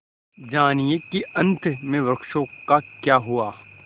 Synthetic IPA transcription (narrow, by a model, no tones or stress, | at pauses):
d͡ʒaːnijekiɐ̃nt̪ʰmẽʋɾɐkʃõkakjaːɦuaː